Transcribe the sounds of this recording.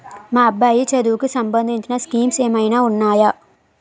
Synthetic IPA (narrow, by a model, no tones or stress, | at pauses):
maːbajit͡ʃɐd̪uːkːɨsɐmbɐnd̪ʱitːinɐskiːmsemɐjnɐuɳːaːja